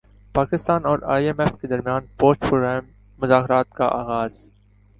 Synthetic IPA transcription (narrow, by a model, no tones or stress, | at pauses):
paːkɪst̪aːnɔːɾa̰ːiɛmɛːfked̪ɐɾmjaːnpoːsʈpoːɡaːmː | ʊzaːkɾaːt̪kaʔaːɣaːz̥